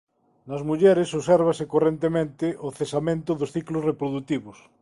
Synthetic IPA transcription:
nazmuʎeɾesoseɾβasekorent̪emẽnt̪eʔoθesamẽnt̪oðosθiklosrepɾoðut̪iβos

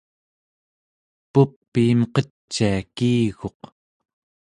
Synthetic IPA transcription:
pupːiːmqʌ | t͡ʃːiakiːɣo̞q

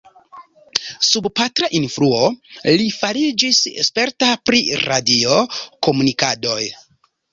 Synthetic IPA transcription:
subpatɾaʔinfɾuo̞lifaɾid͡ʒisḛspe̞ɾtapɾiɾadio̞ko̞munikado̞j

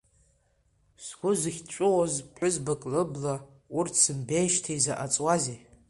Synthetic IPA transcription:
sɡʷʊzɨχʲt͡ʃʷʼʊwazpʰħʷʊzbɨkʼlɨbla | urtʰsɨmbejʃtʰajzaʔat͡sʼwaze

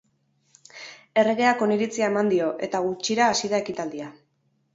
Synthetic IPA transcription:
e̞re̞ɣe̞ako̞niɾit͡siae̞mand̪io̞ʔe̞t̪aɣ̞ut͡ʃiɾaːsiðae̞kit̪ald̪ia

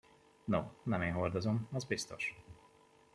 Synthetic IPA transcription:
no̰ːnɛmeːnɦord̪ozo̞mɒzbist̪o̞̰ʃ

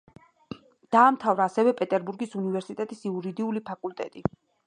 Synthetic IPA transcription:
d̪̥aːmt̪ʰavɾaːsɛvɛpʼɛt̪ʼɛɾbuɾɡisunivɛɾsit̪ʼɛt̪ʼisiuɾid̪iulipʰakʼult̪ʼɛ̰t̪ʼi

